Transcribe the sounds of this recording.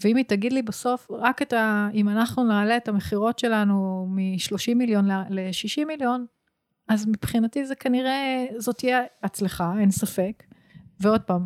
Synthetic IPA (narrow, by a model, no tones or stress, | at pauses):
veimitaɡidlibaso̞fʁaketaimanaχnunaːleːtameχiʁo̞tʃe̞lanumiʃlo̞ʃimːiljo̞nlleʃiʃimːiljo̞n | azmipχinatizekaniʁe̞zo̞t̪ijeat͡sleχaensafe̞k | veo̞d̚paːm